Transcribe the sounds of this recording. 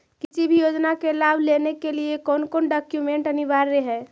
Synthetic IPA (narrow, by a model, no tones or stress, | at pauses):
kit͡ʃibʱijod͡ʒnakelabʱlenekeliekɔnkɔːnɖɔkjumeɳʈənibaɾːeɦɛ